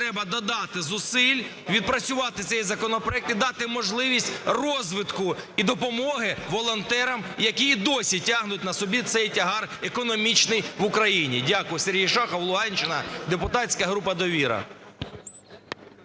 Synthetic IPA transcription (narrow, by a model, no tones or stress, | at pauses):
t̪ɾɛbɐd̪ɔd̪ɑt̪ɪzʊsɪlʲ | ʋʲid̪̚pɾɐt͡sʲʊʋɑt̪ɪt̪sɛjizɐkɔnɔpɾɔɛk̚t̪id̪ɑt̪ɪmɔʒlˠɪʋʲisʲtʲrɔzʋɪt̪kʊid̪ɔpɔmɔɦɪʋɔlˠɔnt̪ɛɾɐmjɐkʲiːd̪ɔsʲitʲɑɦnʊtʲnɐsɔbʲit̪sɛjtʲɐɦɑrekɔnɔmʲit͡ʃnɪjʋʊkɾɐjinʲḭdʲakʊjɪserɦʲijʃɑxɐwlˠʊɦɑnʲt͡ʃɪnɐ̰d̪epʊt̪ɑtʲsʲkɐɦɾupɐd̪ɔʋʲiɾɐ̰